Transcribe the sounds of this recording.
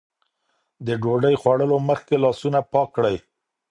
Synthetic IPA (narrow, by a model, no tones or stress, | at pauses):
d̪əɖoɖəjxwaɽəloməxkelɑsunapɑkːɽəj